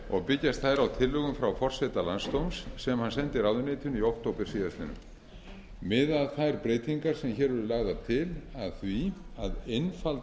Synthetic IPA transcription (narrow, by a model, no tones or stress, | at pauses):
ɔ̰ɣpɪcːast̪θajɾawt̪ʰɪlːʏɣʏmfɾawfɔr̥sɛt̪alanst̪owmsːɛmhansɛnt̪ɪɾawðʏnɪːt̪ʏniowhkt̪owpɪɾ̥siːðaslɪnʏ̰m | mɪːðaðθajɾpɾeːjt̪iŋkaɾ̥sɛmçɛːɾvʏɾʏlaːɣðat̪ʰɪlaðθviaðejnfalt̪